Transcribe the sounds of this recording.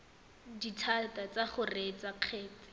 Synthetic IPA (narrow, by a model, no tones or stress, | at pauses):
ditʰatat͡saχʊret͡saq͡χʰɛːt͡sɪ̥